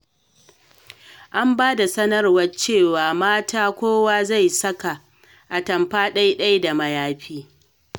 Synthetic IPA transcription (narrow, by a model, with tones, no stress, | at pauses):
ʔa˦mbaː˦da˨sɐ˦nɐ˦rwɐ˦t͡ʃeː˦˨waː˨maː˦taː˦kʷoː˦waː˦za˦˨jsɐ˦ka˨ | ʔa˨tɐ˨mɸaː˦ɗa˦jɗɐ˦jda˨mɐ˨jaː˦ɸiː˦